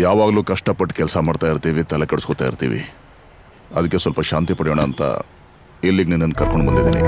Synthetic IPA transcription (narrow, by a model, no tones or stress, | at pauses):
jaːʋaːɡluːkɐʂʈɐpɐʈːkɛlsɐmaːɖt̪aːjiɾt̪iːʋit̪ɐlekɐɽuskot̪aːjḭɾt̪ḭːʋḭ | ɐd̪ɐkːesʋɐlpɐʃaːnt̪ipɐɽijoːɳɐːnt̪ɐ̰ | elːiɡninːɐnːkɐɾkoɳɖbɐnd̪id̪ḭːnḭ